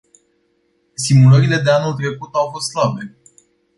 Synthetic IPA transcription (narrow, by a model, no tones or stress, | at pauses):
simuləɾile̞d̪e̞anult̪ɾe̞kut̪awfo̞st̪slabe̞